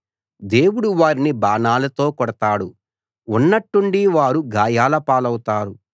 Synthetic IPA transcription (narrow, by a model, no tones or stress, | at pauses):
d̪e̞ːwuɽuʋaːɾinibaːnaːlɐt̪o̞ːkɔɽɐt̪aːɽu | unːɐʈːuɳɖiʋaːɾuɡaːjaːlɐpaːlɐwut̪aːɾu